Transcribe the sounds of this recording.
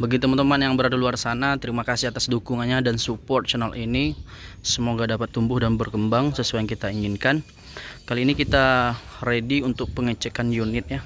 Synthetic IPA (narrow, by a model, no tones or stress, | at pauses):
bəɡit̪əmənt̪əmanjaŋbəɾardaluarsanat̪əɾimakasɪhat̪asdukuŋanɲadansupɔrt̪̚t͡ʃanalʔinisəmoɡadapat̪ːumbʊhdanbərkəmbaŋsəsuajaŋkit̪aiŋɪnkan | kaliːnikit̪arediunt̪ʊk̚pəŋət͡ʃəkanjunɪt̪̚ɲa